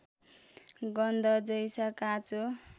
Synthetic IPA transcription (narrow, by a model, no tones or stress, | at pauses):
ɡʌnd̪ʌd͡zʌjsakat͡so